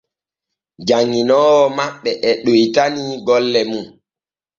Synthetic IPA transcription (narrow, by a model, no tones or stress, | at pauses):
d͡ʒaŋːinɔːwɔmaɓːɛʔɛɗojtaniɡɔlːɛmun